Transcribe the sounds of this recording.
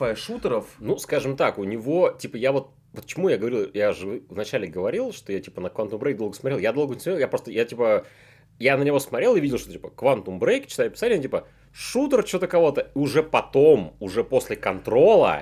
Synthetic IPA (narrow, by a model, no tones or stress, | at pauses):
fɐʂut̪əɾəfnuskaʐɨmt̪akʊnʲɪvo̞tʲipəjavo̞t̪̚ | pət͡ɕɪmujaɡəvɐɾʲilˠjaʐɨɨvnɐt͡ɕælʲɪɡəvɐɾʲilˠʂt̪ojatʲi̥pənəkvant̪umbɾejk̚ʲd̪olɡəsmɐɾelˠjad̪o̞lˠɡənʲɪsmɐɾelˠjapɾo̞st̪əjatʲipə | janənʲɪvo̞smɐtɾʲe̞lˠɨvidʲɪlˠʂt̪otʲipə̥kvant̪ʊmbɾejkʲt͡ɕɪ̥t̪ajʊpʲɪ̥satʲɪnʲːɪtʲipə | ʂut̪ərt͡ɕɪot̪əkɐvo̞t̪əiʊʐɛpɐt̪o̞mʊʐɛpo̞sʲlʲɪkɐnt̪ɾo̞lˠə̰